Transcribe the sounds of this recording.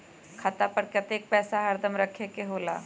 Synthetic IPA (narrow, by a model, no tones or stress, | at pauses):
kʰaːt̪apəɾkət̪eːk̚pɛːsaɦɐɾd̪əmɾəkʰekeɦoːla̰ː